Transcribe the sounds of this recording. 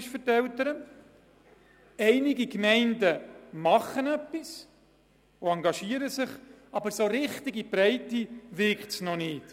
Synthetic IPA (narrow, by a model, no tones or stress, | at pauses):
ʃfəɾtɛltəɾə | ɛɪnɪɡikmɛɪndəmɑχːənœpːis | ʊɑŋɡɑʃiːəɾəsɪχɑbəɾsoɾɪχtɪɡib̥ɾɛɪtːiʋɪktsnɔnɪːt